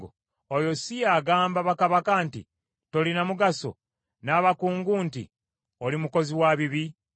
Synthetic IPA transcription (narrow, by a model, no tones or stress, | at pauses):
o | ojo̞sijaːɡaːmbaβakaβakantḭ | to̞linamuɡaso̞̰ | naːβakuːŋɡuːntḭ | olimuko̞ziwaβiβi